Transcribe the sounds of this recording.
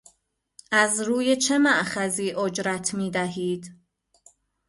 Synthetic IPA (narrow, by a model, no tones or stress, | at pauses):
ʔæzɾuːje̞t͡ʃʰe̞mæʔxæziːʔod͡ʒɾæt̪ʰmiːd̪æɦiːd̪̥